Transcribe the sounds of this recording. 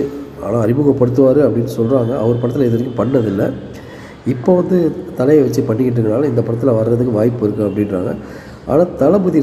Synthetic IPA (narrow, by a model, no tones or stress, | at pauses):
ɯa̰ːnãːɐɾɪmɯɣɐpɐɽɯt̪ːɯʋaːɾɯɐpːɐɽɪnːɯsɔlraːŋɡɐɐʋɐɾɯpɐɽɐt̪ːɪlɐɛðɐɾɪkːɯpɐɳːɐðɪlːɐ | ɪpːoːʋɐnd̪ɯt̪ɐlɐjɐʋɐt͡ʃːɯpɐɳːɪkːɪʈ̬ːɯkːɐnaːlɐɪnd̪ɐpɐɽɐt̪ːɪlɐʋɐɾɾɐðɯkːɯ̃ʋaːjɪpːɯɪɾɯkːɯɐpːɐɽɪnra̰ːŋɡɐ̰ | ʔa̰ːnãːt̪ɐlɐbɯði